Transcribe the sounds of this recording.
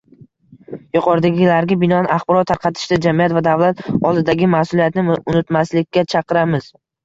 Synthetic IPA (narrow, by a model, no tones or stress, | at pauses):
jʊqʰɒɾɪd̪aɡʲɪlaɾɡʲabɪnɒanaχbɒɾɒt̪ʰːaɾqʰɑt̪ʰɪ̥ʃt̪ad͡ʒamijat̪vad̪avlˠat̪ɒlˠd̪ɪd̪aɡʲɪmahsʊlijat̪nɪʊnɪt̪maslɪkʲːat͡ʃʰɑqʰɨɾamɪz̥